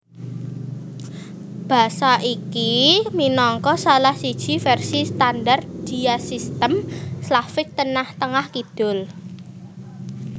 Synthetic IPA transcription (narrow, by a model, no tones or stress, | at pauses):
b̥a̤saʔikiminɔŋkɔsalahsid̥ʒ̥i̤fɛrsist̪andart̪̚d̥i̤jasist̪əmslafɪk̚t̪ənaht̪əŋahkid̪̥ʊ̤l